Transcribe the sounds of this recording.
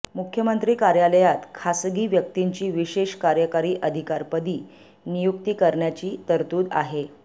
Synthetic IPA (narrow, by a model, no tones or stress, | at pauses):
mukʰjəmənt̪ɾiːkaɾjaləjat̪kʰasɡiːʋjək̚t̪iɲt͡ɕiːʋiɕeɕkaɾjəkaɾiːʔəd̪ʱikaɾpəd̪iː | nijukt̪iːkəɾɳjat͡ɕiːt̪əɾt̪uːd̪a̰ɦe